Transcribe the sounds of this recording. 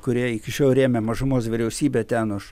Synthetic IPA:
kʊɾʲiɛɪkʲɪʃʲoːlˠɾʲeːmʲɛmɐʒʊmoːsʋʲɪɾʲɛʊsʲiːbʲet̪ʲɛnʊʃ

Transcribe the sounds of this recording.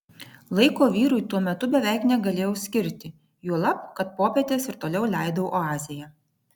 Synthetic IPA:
lˠɐɪkoːʋʲiːɾʊɪt̪uɔmʲɛt̪ʊbʲɛʋʲæˑɪknʲɛɡɐlʲeːjɛʊsʲkʲɪɾʲt̪ʲɪ | juɔlˠɐpkɐt̪poːpʲeːt̪ʲeːsɪɾt̪oːlʲɛʊlʲæˑɪd̪oʔoɑːzʲɪjɛ

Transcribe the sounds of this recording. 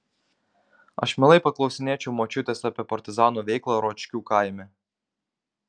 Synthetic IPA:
ɐ̰ʃmʲɛlˠɐɪpɐklˠɔʊsʲɪnʲeːt͡ʃʲɛʊmot͡ʃʲʊt̪ʲeːsɑpʲeɛpɐɾʲt̪ʲɪzɑːnuːʋʲɛɪklˠɐɾɔːt͡ʃʲkʲuːkɑˑɪmʲɛ

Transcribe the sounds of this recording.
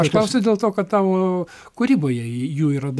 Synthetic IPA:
ɐʃklˠɐʊsʲɐʊd̪ʲeːlˠt̪oːkɐt̪t̪ɑːʋoː | kʊɾʲiːboːjɛjuːiːɾɐd̪

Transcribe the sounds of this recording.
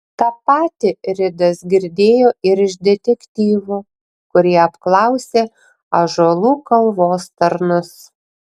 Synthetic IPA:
t̪ɑpɑːt̪ʲɪɾʲɪd̪ɐsɡʲɪɾʲd̪ʲeːjoːɪɾɪʃd̪ʲɛt̪ʲɛkʲt̪ʲiːʋoː | kʊɾʲiɛɐpklˠɑˑʊsʲeː | ɐʒolˠuːkɐlˠʋoːst̪ɐɾnʊs

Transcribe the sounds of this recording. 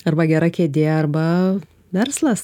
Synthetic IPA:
ɐɾbɐɡʲɛɾɐkʲeːd̪ʲeːɐrbɐ | ʋʲɛrslˠɐs

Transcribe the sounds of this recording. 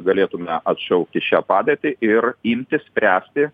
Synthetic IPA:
ɡɐlʲeːt̪ʊmʲɛʔɐt̪ʃɐʊkt̪ʲɪʃʲæːpɑːd̪ʲeːt̪ʲɪʔɪrimʲt̪ʲɪssʲpʲɾʲæːsʲt̪ʲɪ

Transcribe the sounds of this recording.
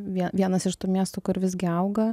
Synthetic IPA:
ʋʲiɛʋʲiɛnɐsɪʃt̪uːmʲiɛst̪uːkʊɾʋʲɪzʲɡʲɪɐʊɡɐ

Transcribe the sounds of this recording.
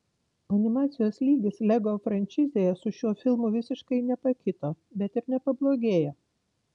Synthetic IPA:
ɐnʲɪmɑːt̪sʲɪjoːslʲiːɡʲɪslʲɛɡoːfɾɐnʲt͡ʃʲɪzʲeːjɛsʊʃʲuɔfʲɪlˠmʊʋʲɪsʲɪʃkɐɪnʲɛpɐkʲɪt̪oː | bʲɛt̪ɪɾnʲɛpɐblˠoːɡʲeːjo

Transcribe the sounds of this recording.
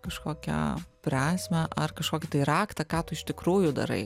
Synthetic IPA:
kɐʃkoːkʲɛ̰pʲɾʲæːsʲmʲɛʔɐrkɐʃkoːkʲɪt̪ɐɪɾɑːkt̪ɐkɑːt̪ʊɪʃʲt̪ʲɪkɾuːjʊd̪ɐ̰ɾɐ̰ɪ

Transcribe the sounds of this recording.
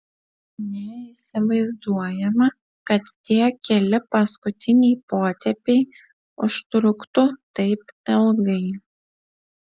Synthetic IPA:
nʲɛɪsʲɪʋɐɪzd̪uɔjɛmɐ | kɐt̪t̪ʲiɛkʲɛlʲɪpɐskʊt̪ʲɪnʲɛɪpoːt̪ʲɛpʲɛɪ | ʊʃt̪ɾʊkt̪ʊt̪ɐɪpɛlˠɡɐɪ

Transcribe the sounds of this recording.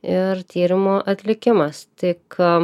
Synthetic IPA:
ɪɾt̪ʲiːɾʲɪmoːʔɐt̪ʲlʲɪkʲɪmɐst̪ʲɪk

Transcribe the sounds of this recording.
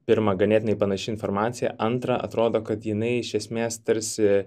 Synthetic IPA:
pʲɪɾmɐɡɐnʲeːt̪ʲnɐɪpɐnɐʃʲɪɪnfoːɾmɑːt̪sʲɪjɛ̰ʔɐnt̪ɾɐɐ̰t̪ɾoːd̪oːkɐt̪jɪnɐɪɪʃʲɛsʲmʲeːst̪ɐɾʲsʲɪ

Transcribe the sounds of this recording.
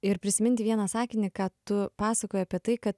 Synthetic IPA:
ɪɾpʲɾʲɪsʲɪmʲɪnʲt̪ʲɪʋʲiɛnɑːsɑːkʲɪnʲikɑːt̪ʊpɑːsɐkoːjɛɐpʲiɛt̪ɐɪkɐt̪

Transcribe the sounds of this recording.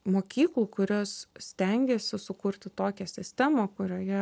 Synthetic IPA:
moːkʲiːklˠuːkʊɾʲoːssʲt̪ʲɛŋʲɡʲeːsʲɪsʊkʊɾʲt̪ʲɪt̪oːkʲɛsʲɪsʲt̪ʲæːmokʊɾʲoːjɛ

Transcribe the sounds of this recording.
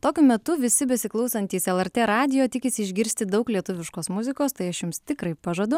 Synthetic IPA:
t̪oːkʲʊmʲɛt̪ʊʋʲɪsʲɪbʲɛsʲɪklˠɒʊsɐnʲt̪ʲiːsɛlˠɛɾʲt̪ʲeːɾɑːd̪ʲɪjoːt̪ʲɪkʲɪsʲɪɪʒʲɡʲɪɾʲsʲt̪ʲɪd̪ɐʊklʲiɛt̪ʊʋʲɪʃkoːsmʊzʲɪkoːst̪ɐɪɐʃjʊmst̪ʲɪkɾɐɪpɐʒɐd̪ʊ

